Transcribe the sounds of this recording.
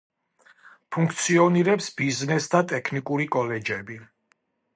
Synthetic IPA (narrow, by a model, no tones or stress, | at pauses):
pʰuŋkʰt̪sʰiɔniɾɛpsbiznɛsd̪at̪ʼɛkʰnikʼuɾikʼɔlɛd͡ʒɛbi